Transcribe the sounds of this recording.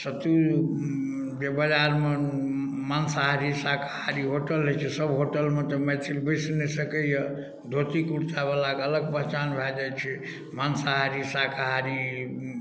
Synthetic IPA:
sət̪u | d͡ʒebəd͡ʒaɾme | mansaɦaɾisakʰahaɾiɦoʈəlɦet͡ʃʰɛsəbɦoʈəlmet̪emɛt̪ʰilbəsnɛsəkəjə | d̪ʱot̪ikuɽt͡ʃabalakələɡpəɦt͡ʃanbʱɛd͡ʒat͡ʃʰɛ | mansaɦaɾisakʰaɦaɾi

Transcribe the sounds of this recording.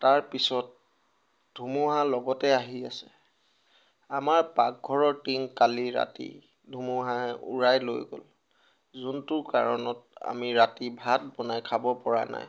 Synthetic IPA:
taɹpisɔt̚ | dʱumuɦalɔɡɔtɛaɦiasɛ | amaɹpak̚ɡʱɔɹɔɹtiŋkaliɹa̰tḭ | dʱumuɦaɦɛʔṵɹajlo̰jɡo̰l | zuntʊɹka̰ɹɔnɔta̰miɹatibʱat̚bɔnajkʰabɔpɔɹa̰na̰j

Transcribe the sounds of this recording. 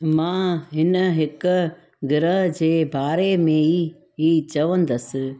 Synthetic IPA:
mãːɦɪnəɦɪkʊ̆ | ɡɪɾəɦd͡ʑeːbaːɾemẽi | iːt͡ɕɐʋə̃nd̪əsɪ̆

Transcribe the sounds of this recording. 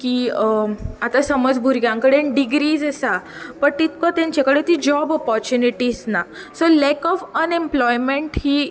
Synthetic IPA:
kiː | at̪asəməd͡zbʱuɾɡjãŋkəɽeɖiɡɾiːd͡zəsa | pəɳt̪it̪̚kɔt̪jãɲt͡ɕakəɽet̪iːd͡ʑɔbɔpɔɾt͡ɕuniʈiːsna | solɛkɔfənemplɔjmẽɳʈhiː

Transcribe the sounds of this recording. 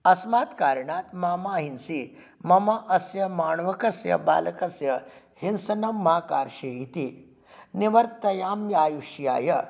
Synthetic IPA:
ɐsmaːt̪kaːɾɐɳaːt̪maːmaːɦinsi | mɐmaʔɐsjɐmaːɳʋɐkɐsjɐ̰ba̰ːlɐkɐsjɐ | hinsɐnɐmːaːkaːɾʃeːjit̪i | niʋɐɾt̪ɐjaːmjaːjuʃja̰ːjɐ

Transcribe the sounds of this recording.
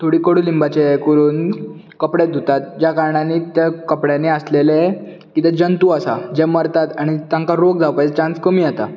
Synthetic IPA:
t̪ʰoɽiːkəɽuːlimbat͡ɕekuɾuːn | kəpɽed̪ʱut̪at̪̚d͡ʑjakaɾɳaniːt̪əkəpɽjaniəslele | kit̪ed͡ʑənt̪uasad͡ʑeməɾt̪at̪aɽ̃it̪jãŋkaɾok̚d͡zʱaʋpajt͡ɕãnskəmiːjat̪a

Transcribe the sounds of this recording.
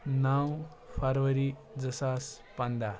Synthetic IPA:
naw | pʰaɾʋəɾid͡zəsas | pand̪a

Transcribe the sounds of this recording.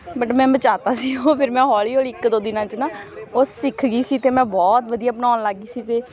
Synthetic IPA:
bəʈmɛ̃ːbət͡ʃaːt̪aːsiːoːpʰɪɾmɛ̃ːɦɔːɭiːoːliɪkd̪oːd̪ɪnãːt͡ʃnaːoːsɪkʰɡiːsiːt̪eːmɛ̃ːbɔːt̪ʋəd̪ijaːpnaːnlaɡiːsiːt̪eː

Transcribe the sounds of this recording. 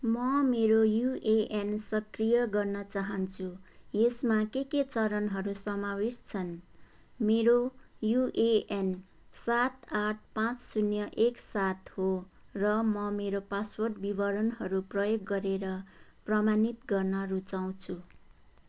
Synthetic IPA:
mʌmeɾojuʔeʔensʌkrijʌɡʌrnʌt͡saɦʌnt͡sʰuesmakeket͡sʌɾʌnɦʌɾusʌmawest͡sʰʌn | meɾojuʔeen | sat̪aʈʰpãt͡ssunjʌʔeksat̪ho | rʌmʌmeɾopaswʌrʈbibʌɾʌnɦʌɾuprʌjoɡːʌɾeɾʌprʌmanit̪ɡʌrnʌrut͡saw̃t͡sʰu

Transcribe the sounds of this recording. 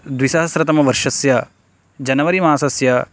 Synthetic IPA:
d̪ʋisɐɦɐsɾɐt̪ɐmɐʋɐɾʂɐsjɐ | d͡ʒɐnɐʋɐɾimãːsɐsjɐ

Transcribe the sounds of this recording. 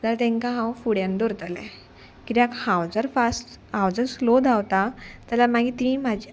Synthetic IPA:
t̪alt̪ɛ̃ŋkãɦãwfuɽjãnd̪oɾt̪əlɛ̰ | kit̪akhãwd͡zəɾfasʈ | hãwd͡zəɾslod̪ʱawt̪at̪alamaɡit̪ĩmad͡ʑi

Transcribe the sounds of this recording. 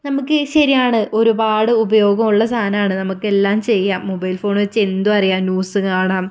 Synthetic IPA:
nɐmukːɨɕɐɾijaːɳɨʔo̞ɾubaːɽɨubɐjo̞ːɡɐmuɭːɐst̪ʰaːnɐmaːɳɨnɐmukːe̞lːaːmt͡ɕe̞jːaːmːobɐjilfo̞ːɳɨʋɐt͡ɕːɨe̞nd̪uɐrijaːmnjuːsɨkaːɳaːm

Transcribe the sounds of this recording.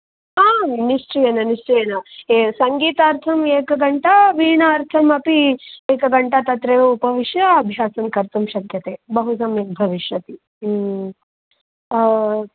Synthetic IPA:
aːniʂt͡ʃijɐnɐniʂt͡ʃɐjɐnɐesɐŋɡiːt̪ɐɐɾt̪ʰɐmeːkɐɡɐɳʈɐʋiːɳɐːɾt̪ʰɐmɐpieːkɐɡɐɳʈɐt̪ɐt̪ɾeːjoupɐʋiʃjɐːbʱjaːsɐmkɐɾt̪ɐmʃɐkjɐt̪eːbɐɦusɐmeːk̚bʱɐʋiʃjɐt̪i

